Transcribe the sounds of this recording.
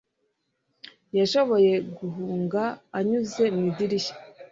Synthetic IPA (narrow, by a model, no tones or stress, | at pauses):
jaʃo̞βo̞je̞ɡuɦuːŋɡaːɲuze̞midiɾiʃḁ